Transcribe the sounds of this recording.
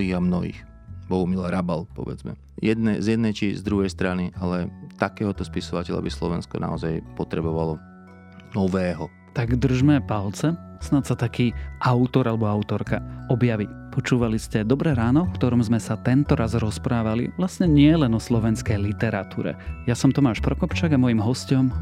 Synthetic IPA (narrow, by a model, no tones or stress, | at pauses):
ɦiːɣamnɔɦḭːx | bɔɦumilaɾabalpɔ̰ʋɛ̰d͡zmɛ̰ | jɛd̪nɛzjɛd̪nɛjt͡ʃizd̪ɾuɦɛjst̪ɾaniʔalɛt̪akɛːɦɔt̪ɔspisɔʋacɛʎa̰bislɔʋɛnskɔ̰na̰ɔzajpɔt̪ɾɛbɔʋalɔ | nɔʋɛːɦɔ | t̪aɡd̪r̩ʒmɛpalt͡sɛ | snat̪sat̪akiːʔaʊt̪ɔɾalɛbɔaʊt̪ɔɾkaɔbjaʋi | pɔt͡ʃuːʋaliscɛd̪ɔbɾɛɾaːnɔfkt̪ɔɾɔmzmɛsat̪ɛnt̪ɔɾazɾɔspɾaːʋalḭʋlasɲɛɲɪɛlɛnɔslɔʋɛnskɛjlit̪ɛɾat̪ṵːɾɛ̰jasɔmt̪ɔmaːʃpɾɔkɔpt͡ʃaːɡamɔjimɦɔscɔm